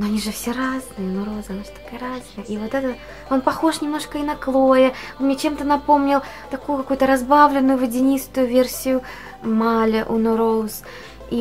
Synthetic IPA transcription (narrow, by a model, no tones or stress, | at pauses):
noɐnʲiʐɨfsʲeraznɨjənʊɾozɐnafsʲo̥t̪ɐ̥kajəɾaznɨjəʔivot̪ɛt̪ə | onpɐxo̞ʂnʲɪmnoʂkəinɐklˠojənmnʲet͡ɕemt̪ənɐpo̞mnʲɪlˠ | t̪ɐkujʊkaɐkujʊt̪əɾɐzbavlʲɪnːʊjʊvədʲɪnʲist̪ʊjʊvʲersʲɪjʊ | malʲəʔʊnʊɾos | i